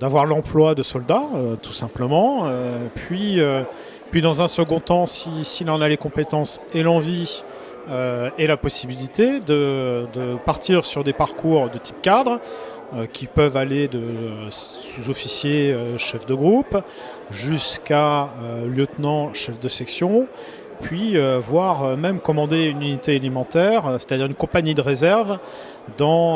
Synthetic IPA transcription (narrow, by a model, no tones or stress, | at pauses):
d̪avwaʁlɑ̃plwad̪əsɔld̪aøt̪ʰu̥sɛ̃pləmɑ̃øpɥiø | pɥid̪ɑ̃zɛ̃səɡɔ̃t̪ɑ̃sisiːlɑ̃nalekɔ̃pet̪ɑ̃selɑ̃vi | øɛlapɔsibilit̪ed̪əd̪əpaʁt̪ʰiʁsyʁd̪epaʁkʰuʁd̪ət̪ʰi̥p̚kad̪ʁ | økʲʰipœvaled̪ə | suzɔfisjeøʃɛfd̪əɡʁup | ʒyskaøljət̪nɑ̃ʃɛfd̪əsɛksjɔ̃ | pɥiøvwaʁømɛmkɔmɑ̃d̪eynynit̪ealimɑ̃t̪ɛʁse̥t̪ad̪iʁynkɔ̃paɲid̪əʁezɛʁv | d̪ɑ̃